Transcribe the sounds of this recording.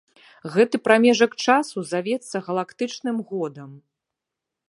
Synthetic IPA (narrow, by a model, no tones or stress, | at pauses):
ɣɛt̪ɨpɾamʲɛʐɐkt͡ʂasuzavʲɛt̪sːɐɣɐlˠakt̪ɨt͡ʂnɨmɣɔd̪ɐm